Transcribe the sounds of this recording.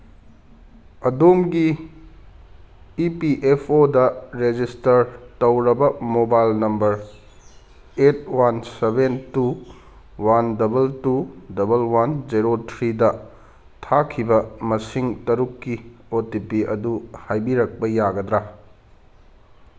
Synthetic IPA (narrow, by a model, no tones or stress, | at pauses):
ɐdomɡi | piʔepʰodɐɾed͡ʒistɐɾtɐwɾɐbɐmobajlnɐmbɐɾ | et̚ʰwansebentu | wandɐbɐltudɐbɐlwand͡ʒiɾotʰɾidɐ | tʰakʰibɐmɐsiŋtɐɾukːiotipiɐduhajbiɾɐk̚pɐjaɡɐd̪ɾa